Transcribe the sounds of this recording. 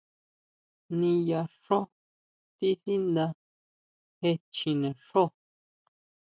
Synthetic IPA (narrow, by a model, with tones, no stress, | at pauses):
nĩ˧ja˧ʂõ˦ | t̪i˦θi˦nd̪ã˧ | he˧t͡ʃĩ˧nẽ˨ʂo˦